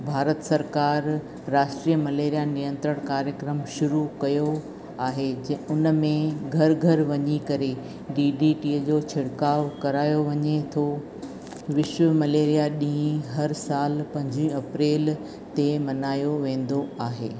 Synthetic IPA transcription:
bʱaːɾət̪sɐɾkaːɾː | aːʃʈɾijəmɐleːɾijanijə̃nt̪ɾəɽ̃kaːɾjəkɾəmʃʊɾukɐjo | aːɦed͡ʑʊnmẽɡʱɐɾɡʱɐɾʋɐɲikɐɾe | ɖiːɖiʈiːd͡ʑoːt͡ɕʰɪɽkaːʋkɐɾaːjoʋɐɲet̪ʰo | ʋɪʃʋəmɐleːɾijaɗĩɦĩɦɐɾsaːlpɐ̃ɲd͡ʑĩɐpɾeːl | t̪emɐnaːjoʋẽːn̆d̪oaːɦḛː

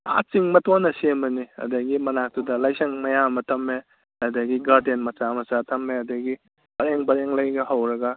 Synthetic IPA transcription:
a̰t͡ʃiŋmɐtonɐsemɐniɐ̰dɐɡimɐnak̚tudɐlajsɐŋmɐjamɐtʰɐmːe | ɐdɐɡiɡaɾdenmɐt͡ʃamɐt͡ʃatʰɐmːeɐdɐɡi | bɐɾeŋbɐɾeŋlajɡɐhɐwɾɐɡɐ

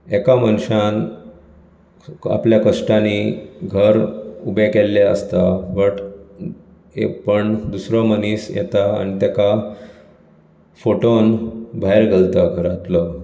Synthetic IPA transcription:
ekamənɕan | a̰pljakəʂʈaniɡʱəɾubekelːaə̰st̪aʋəʈ | ḛpəɳd̪usɾəməniːsjḛt̪aa̰nit̪aka | foʈonbʱaɦeɾɡʱəlt̪aɡʱəɾat̪lə

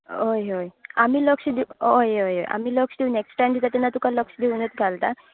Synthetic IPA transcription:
ɦojɦojamiːləksd̪eɦojojɦo̰jʔa̰miːləksd̪euneksʈajmd̪it̪at̪ɛnːat̪ukaləksd̪eunet̪ɡʱalt̪a

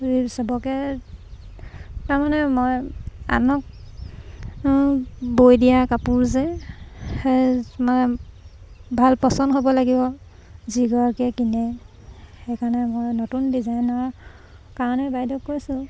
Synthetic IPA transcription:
isɔbɔkɛ | taɹmanɛmoja̰nɔk̚ | bojdijakapuɹzɛ | hemanɛ | bʱalpɔsɔnɦobɔlaɡibɔ | ziɡɔɹkɛkinɛ | xejkʰaɹnɛmojnɔtundizajnɔɹ | kaɹɔnɛbajdɔkːojsʊ̃

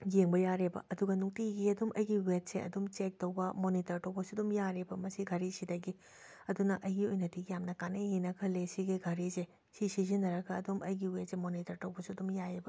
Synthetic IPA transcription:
jeŋbɐjaɾebɐ̰ʔɐduɡɐnuŋtiɡiɐdumʔɐjɡiwet̚seɐ̰dumt͡ʃek̚towbɐmonitɐɾtɐwbɐsudumjaɾebɐmɐsiɡʱaɾisidɐɡi | ɐdunɐʔɐjɡiojnɐtiɡijamnɐkanejinɐkʰɐlːesiɡiɡʱaɾize | sisizinːɐɾɐɡɐːdumʔɐjɡiwet̚semonitɐɾtɐwbɐsuɐdumjajebɐ

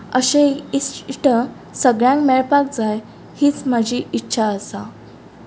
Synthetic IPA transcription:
əɕeisʈə | səɡɭjãŋkmɛɭpak̚d͡zaj | hiːt͡sm̤ad͡ʑʱiːʔitːɕʰaəsa

